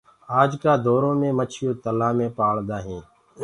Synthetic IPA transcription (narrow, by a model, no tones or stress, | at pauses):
aːd͡ʒkaːd̪ʱoːɾõːmẽːmət͡ʃʰɪjoːt̪əlãːmẽːpaːɭd̪aːɦĩː